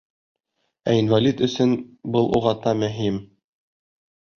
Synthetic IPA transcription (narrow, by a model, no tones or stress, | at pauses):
æinvalʲit̪ɵ̆sɵnbɤlˠuʁɑt̪ɑmɵ̆ɦim